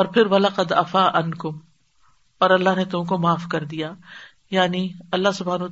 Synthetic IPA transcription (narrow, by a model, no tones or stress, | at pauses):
ɔːɾpʰɪɾʋɐlaqɐd̪ɐfaːʔɐnkʊm | ɔːɾɐlːaɦnet̪ʊmkomaːfkɐɾd̪ijaː | jaːniɐlːaɦsʊbʱɦaːnː